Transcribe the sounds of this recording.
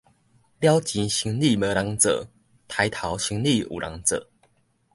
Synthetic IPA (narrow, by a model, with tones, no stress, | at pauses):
ljɑ˦ʊt͡ɕi˨˦nɕi˧˥ŋli˥˨mə˧˦la˨˧˥ŋt͡sə̰˨˩˦ | t̪ʰa˨˦ɪt̪ʰɑ˨˧˦ʊɕi˧˦ŋli˥˨ʔṵ˨˩lʔa̰˧˦ŋt͡sə̰˨˩˦